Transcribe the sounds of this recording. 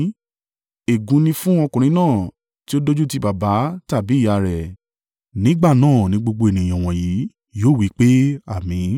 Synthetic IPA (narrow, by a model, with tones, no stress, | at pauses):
e˨ɡũ˨˦nĩ˧fũ˦ɔ˧kũ˨ɾ̃ĩ˧˦nãː˦˨ | ti˦o˦do˦d͡ʒu˦ti˧˦ba˨ba˨˦ta˦˨bi˨˦˨ja˧˨ɾɛ˨ | nĩ˨˦ɡ͡ba˦˨nãː˦˨nĩ˧˦ɡ͡bo˧ɡ͡bo˧e˨nĩ˨ɔ̃˨w̃ɔ̃˨ji˨˦ | joː˦˨wi˨˦k͡pe˦a˦˨mĩ˨˦